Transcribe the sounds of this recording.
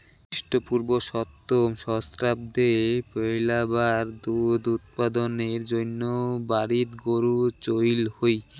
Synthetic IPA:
ʃʈopuɾboʃɔt̪ːomʃɔst̪ɾab̚d̪epojlabaɾd̪ud̪ut̪̚pad̪oneɾd͡ʑonːobaɾit̪ɡoɾut͡ɕojlhoj

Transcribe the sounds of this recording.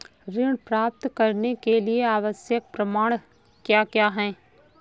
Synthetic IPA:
ɾɪɽ̃pɾaːp̚t̪kɐɾnekelieaːʋəsjək̚pɾɐmaːɽ̃ | kjaːkjaːɦɛ̃ː

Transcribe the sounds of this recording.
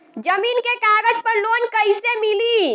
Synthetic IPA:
d͡ʒəmiːnkekaɡəd͡ʒpəɾloːnkəjsemiliː

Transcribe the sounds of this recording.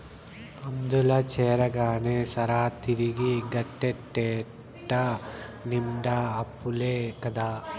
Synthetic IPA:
pɐmd̪ulɐt͡ʃɛːɾɐɡaːneːsɐɾaːt̪iɾiɡiɡɐʈːeʈːɛː | ʈːɐnimɖaɐpːuleːkɐd̪aː

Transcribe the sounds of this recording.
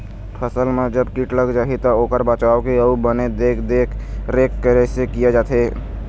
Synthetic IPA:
pʰəsəlmẽd͡ʒəbkiʈləɡd͡ʒaːɦit̪aoːkəɾbat͡ʃaːokiəubəned̪eːkʰd̪eːkʰɾeːkːəɾesekijed͡ʒaːt̪ʰeː

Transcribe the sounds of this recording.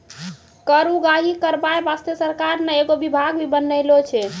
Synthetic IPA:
kəɾuɡaɦikəɾbaebast̪jəsəɾkaɾnɛeɡobibʱaɡbʱibənəɪlot͡ʃʰɛ

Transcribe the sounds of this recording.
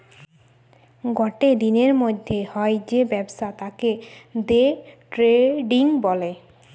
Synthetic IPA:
ɡɔʈed̪ineɾmod̪ʱːehɔed͡ʑebɛbʃat̪aked̪eʈɾeɖiŋbɔle

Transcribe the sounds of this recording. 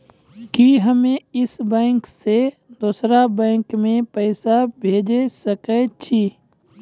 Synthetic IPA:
kiɦəmẽɪsbɛ̃ːŋkse | d̪uːsɾabɛ̃ːŋkmẽpɛːsabʱeːd͡ʒesəkɛt͡ʃʰiː

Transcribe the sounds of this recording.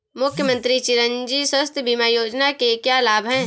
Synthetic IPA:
mʊkʰjəmə̃nt̪ɾit͡ʃɪɾənd͡ʒiswəst̪ʰəbʱimajoːd͡ʒnakekjalaːbʱɦɛ̃ː

